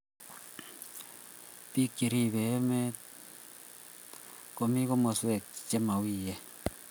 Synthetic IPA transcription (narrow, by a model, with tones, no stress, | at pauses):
pi˦kːi˨ɾi˨βe˨˦me˦ | ko˨mi˦ko˦mo˨se˨kt͡ʃe˦ma˨wiː˦je˦